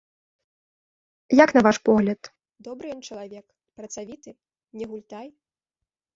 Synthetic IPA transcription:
jakn̪ɐvaʂpɔɣlʲɐt̪ | d̪ɔbɾɨjɔnt͡ʂɐlˠavʲɛk | pɾɐt̪savʲit̪ɨ | nʲɛɣulʲt̪aj

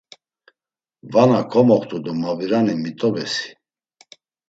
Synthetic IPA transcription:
vanakʰɔmɔχt̪ʰʼud̪ɔmaviɾanimit̪ʼɔbɛsi̥

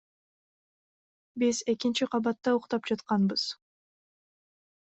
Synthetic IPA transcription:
bize̞kint͡ʃiqʰɑβɑt̪ːɑuqt̪ɑp̚d͡ʒɑt̪qɑnbɯz̥

